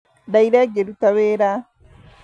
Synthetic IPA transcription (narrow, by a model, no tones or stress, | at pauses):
daiɾeɡeɾutaβeːɾa